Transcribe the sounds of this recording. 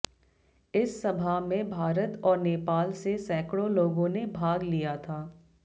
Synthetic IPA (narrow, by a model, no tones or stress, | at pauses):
ɪsːɐbʱaɦmẽbʱaːɾət̪ɔːɾneːpaːlsesɛːkɽoloːɡõnebʱaːɡlijat̪ʰaː